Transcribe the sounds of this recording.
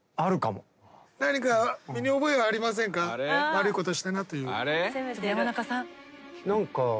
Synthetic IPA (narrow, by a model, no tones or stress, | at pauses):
aɾɯ̟kamo̰ | naɲikamʲiɲ̟io̞bo̞eβaːɾʲimas̬ẽ̞ŋkaβaɾɯiko̞t̪o̞ɕi̥t̪anat̪ojɯ̟ːaɾejamanakasãnãŋka